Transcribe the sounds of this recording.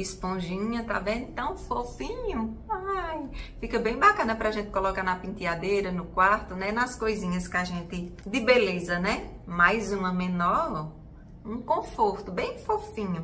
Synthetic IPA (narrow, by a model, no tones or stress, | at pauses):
ɪspõʒĩɲɐt̪a̰vẽd̪̃t̪ɐ̃w̃fofĩɲʊajfikɐbẽj̃bakɐ̃nɐpɾaʒẽnt̪ɪ̥kolɔkanɐpĩt̪iad̪ejɾɐnʊkwaɾt̪ʊnɛnɐskojzĩɲɐskaʒẽnt̪ɪd̪ɪbelezɐnɛmajzũmɐmẽnɔ | ũkõfoɾt̪ʊbẽj̃fofĩɲʊ